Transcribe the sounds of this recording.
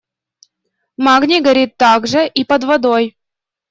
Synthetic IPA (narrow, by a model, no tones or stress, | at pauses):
maɡnʲiɡɐɾʲit̪ːaɡʐɨʔipəd̪vɐd̪oj